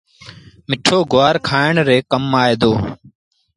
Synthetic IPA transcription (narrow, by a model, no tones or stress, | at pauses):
mɪʈʰoːɡʊaːɾkʰaːɪɳɾeːkəmːaːeːd̪oː